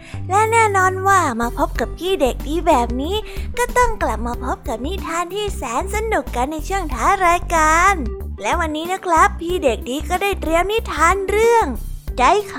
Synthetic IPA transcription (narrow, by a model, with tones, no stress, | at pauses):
lɛ˦˥nɛː˥˩nɔː˧nwaː˥˩maː˧pʰo˦˥p̚ka˨˩pʰiː˥˩de˨˩k̚diː˧bɛː˨˩p̚niː˦˥kɔː˥˩t̪ɔ˥˩ŋkla˨˩p̚maː˧pʰo˦˥p̚ka˨˩p̚ni˦˥t̪ʰaː˧nt̪ʰiː˥˩sɛː˩˦nsa˧nu˨˩kːa˧nːa˧jt͡ɕʰɯ˥˩əŋt̪ʰaː˦˥ɾaː˧jkaː˧nlɛː˦˥wa˧nːiː˦˥na˦˥kʰɾa˦˥pʰːiː˥˩de˨˩k̚diː˧kɔː˥˩daː˥˩jt̪ɾi˧wni˦˥t̪ʰaː˧nɾɯ˥˩əŋda˧˥˩jkʰ